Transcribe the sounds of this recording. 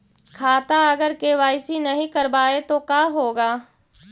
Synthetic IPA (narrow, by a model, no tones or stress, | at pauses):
kʰaːt̪aɐɡəɾkeːʋaːɪsinɐɦĩkɐɾbaːet̪okaːɦoːɡaː